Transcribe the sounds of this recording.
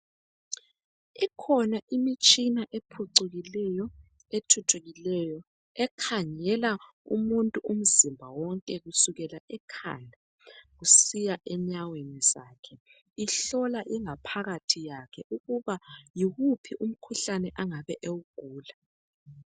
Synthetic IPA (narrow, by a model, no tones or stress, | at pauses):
ɛkʰɔnaʔimit͡ʃʼinaʔepʰuǀuɣilɛjɔ | etʰutʰuɣilɛjɔ | ɛkʰaŋɛla | ṵmuntʼuʔum̩zimbʱawɔŋkʼɛɣusuɣɛlaʔɛkʰa̰ːndʱa | ɣusijaʔɛɲaweniz̥aːkʰɛ | iɬɔlaʔiŋapʰaɣatʰijakʰɛʔuɣuβajiɣupʰiʔum̩kʰuɬanɛʔaŋaβɛʔewuɡ̥ʱuːla